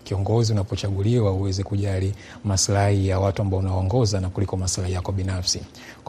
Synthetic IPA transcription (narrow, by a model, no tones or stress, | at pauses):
kiɔŋɡɔziunapɔt͡ʃaɠuliwauwɛzɛkuʄali | maslahijawatuambaɔunawaɔŋɡɔzanakulikɔmaslahijakɔɓinafsi | k